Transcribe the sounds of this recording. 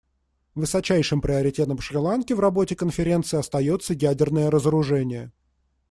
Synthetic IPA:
vɨsɐt͡ɕæjʂɨmpɾʲɪɐɾʲɪtʲe̞t̪ə̃mfʂɾʲɪlˠankʲɪvrɐbo̞tʲɪkənfʲɪɾʲe̞nt̪sɨɪːɐst̪ɐjo̞t̪səjædʲɪrnəjəɾəzəɾʊʐɛnʲɪjə

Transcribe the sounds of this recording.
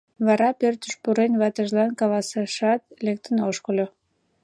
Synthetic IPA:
βɑɾɑpørt̪ə̥̆ʃpuɾenβɑt̪əʒlɑnkɑlɑseʃɑt̪lek̚t̪ənoʃkolʲo

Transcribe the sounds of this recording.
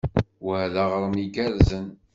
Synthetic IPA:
whðaʁɾˤəmiɡæɾzən

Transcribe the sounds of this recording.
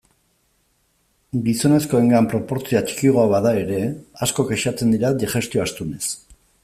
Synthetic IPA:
ɡiso̞ne̞sko̞e̞ŋɡampɾo̞po̞ɾt͡siat͡ʃi̥kiɣ̞oaβaðae̞ɾe̞asko̞keʃat͡se̞nd̪iɾad̪iʝe̞st̪ioast̪une̞s

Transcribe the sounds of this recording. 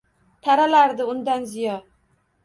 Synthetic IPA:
t̪ʰaɾalaɾd̪ɪʊnd̪anzɪjɒ

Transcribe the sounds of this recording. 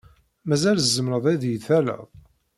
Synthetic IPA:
mæzæləzːəmɾəðˤiðjəθælə̰ðˤ

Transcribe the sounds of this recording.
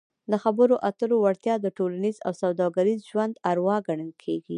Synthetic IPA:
d̪əxabəɾoʔat̪əɾowaɽt̪jɑd̪əʈolaniza̰wsawd̪ɑɡaɾizʒwand̪aɾwɑɡaɳəlkʰeɡi

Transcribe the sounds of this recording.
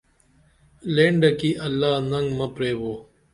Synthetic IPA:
lẽːɳɖɐkiʔɐlːaːnɐŋɡmɐpɾeːboː

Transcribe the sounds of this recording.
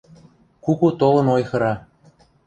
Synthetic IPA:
kukut̪olɤ̆nojxɤ̆ɾɑ

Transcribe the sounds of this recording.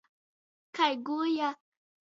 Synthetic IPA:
kajɡuja

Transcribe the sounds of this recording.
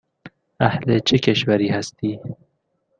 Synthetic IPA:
ahlet͡ʃʰekeʃwaɾihast̪iː

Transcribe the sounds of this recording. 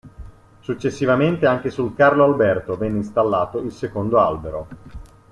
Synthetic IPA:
sut͡ʃːesːivament̪eaŋk̟esulkarloalbɛrt̪ovɛnːeist̪alːaːt̪oilsekond̪oa̰lbeɾo

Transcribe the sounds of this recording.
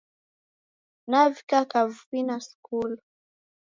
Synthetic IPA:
navikakavuinaskul

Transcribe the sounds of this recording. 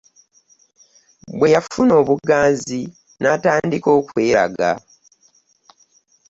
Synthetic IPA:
bwe̞jafuno̞ːβuɡaːnzi | nataːndiko̞ːkwe̞ːɾa̰ɡa̰

